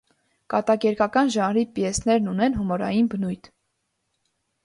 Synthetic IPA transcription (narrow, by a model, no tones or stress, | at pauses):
kɑt̪ɑkɛɾkɑkɑnʒɑnɾipjɛsnɛɾnunɛnɦumɔɾɑ̰jinbənujt̪ʰ